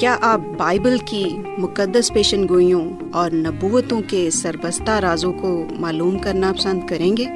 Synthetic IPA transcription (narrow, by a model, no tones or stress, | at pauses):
kjaːʔaːp̚baːɪbəlki | mʊkəd̪ːəspeːʃənɡoːijõ | ɔːɾnɐbuːʋt̪õkesɐɾbəst̪aɾaːzõkomaːluːmkɐɾnapɐsə̃nd̪kɐɾẽːŋɡeː